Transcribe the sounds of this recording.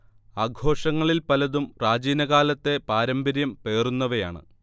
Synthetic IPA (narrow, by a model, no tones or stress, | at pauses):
aːɡʱo̞ːʂɐŋːɐɭilpɐlɐðumraːd͡ʑiːnɐɣaːlɐt̪ːe̞paːɾɐmbɐɾjɐmpe̞ːrunːɐʋeja̰ːɳɨ̰